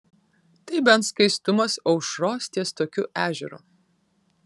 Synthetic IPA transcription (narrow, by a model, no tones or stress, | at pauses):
t̪ɐɪbʲɛnt̪skɐɪst̪ʊmɐsɐʊʃɾoːsʲt̪ʲiɛst̪oːkʲʊʔæːʒʲɛɾṵːˑ